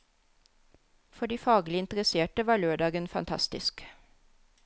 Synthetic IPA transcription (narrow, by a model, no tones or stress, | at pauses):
fɔɖiːfɑːɡlɪɪnt̪əɾəseːʈəʋɑːɭøːɖɑːɡənfɑ̰nt̪ʰɑ̰st̪ɪsk